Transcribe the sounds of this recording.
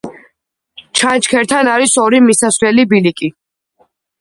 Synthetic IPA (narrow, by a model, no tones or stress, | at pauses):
t͡ʃʰant͡ʃkʰɛɾt̪ʰanaɾisɔɾimisasvlɛlibilikʼi